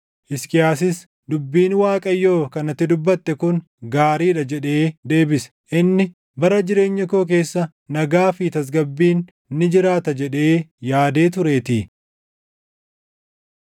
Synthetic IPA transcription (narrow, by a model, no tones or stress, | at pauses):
ʔɪskɪjaːsɪs | d̪ʊbːiːnwaːkʼɐjːoːkɐnɐt̪ːɪd̪ʊbːɐt̪ːɛkʊn | ɡaːɾiːᶑɐd͡ʒɛᶑe̞ːd̪e̞ːbɪs | ʔɪnːɪ | bɐɾɐd͡ʒɪɾe̞ːɲːɐkoːk̬e̞ːsːɐ | nɐɡaːfit̪ɐs̬ɡɐbːiːnː | ɪd͡ʒɪɾaːt̪ɐd͡ʒɛᶑe̞ːjaːd̪e̞ːt̪ʊɾe̞ːt̪ɪ